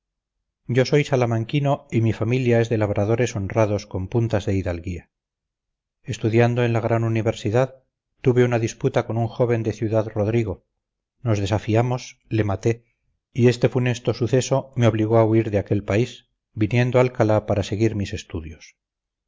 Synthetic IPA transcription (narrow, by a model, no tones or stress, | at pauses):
ɟ͡ʝo̞so̞jsalamaŋkino̞imifamiljae̞zðe̞laβ̞ɾʔaðo̞ɾe̞so̞nraðo̞sko̞mpunt̪azðe̞iðalɣia | e̞st̪uðjand̪oe̞nlaɣ̞ɾanuniβe̞ɾsiðað | t̪uβe̞unaðisput̪ako̞nuŋxo̞βe̞nd̪e̞θjuðaðro̞ðɾiɣ̞o̞ | no̞zðe̞safiamo̞sle̞mat̪e̞ | ie̞st̪e̞fune̞st̪o̞suθe̞so̞meoβliɣ̞o̞auiɾðeake̞lpaiz | binje̞nd̪oalkalapaɾase̞ɣ̞iɾmise̞st̪uðjo̞s